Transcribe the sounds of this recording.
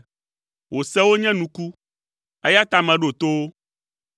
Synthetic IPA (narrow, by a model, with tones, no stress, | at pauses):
wo˨sɛ˦wo˦ɲɛ̃˦nũ˨ku˦ | e˦ja˦t̪a˨mɛ̃˨ɖo˨t̪o˦wo˦